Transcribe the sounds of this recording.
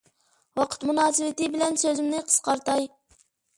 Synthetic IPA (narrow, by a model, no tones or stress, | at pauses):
wɑqʰə̥t̪munɑːsɨwɪt̪ɨbɪlɛnsøzɪmnɪqʰə̥sqɑɾt̪ɑj